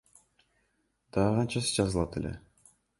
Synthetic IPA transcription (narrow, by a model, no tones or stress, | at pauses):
d̪̥ɑːqɑnt͡ʃɑsɯ̥d͡ʒɑzɯlˠɑt̪e̞le̞̰